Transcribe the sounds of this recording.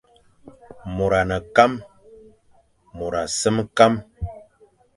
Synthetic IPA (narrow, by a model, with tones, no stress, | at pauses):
mo˨ɾa˨nə˨ka˦m | mo˨ɾa˨sə˦mka˦m